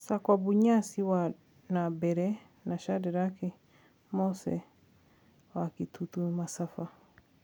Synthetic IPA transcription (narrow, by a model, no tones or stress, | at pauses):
sakwabuɲasiwa | nabɛɾɛ | naʃadɛɾaki | mɔsɛ̰ | wakitʰutumasafa